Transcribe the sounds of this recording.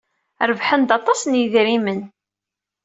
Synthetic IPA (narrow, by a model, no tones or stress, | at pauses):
ɾəvħənd̪ɑt̪ˤɑsnjiðɾimən